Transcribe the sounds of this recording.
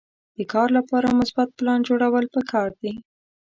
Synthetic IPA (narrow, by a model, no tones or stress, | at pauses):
d̪̥əkɑɾlapɑɾamʊsbat̪̚plɑnd͡ʒoɽawəlpəkɑɾd̪i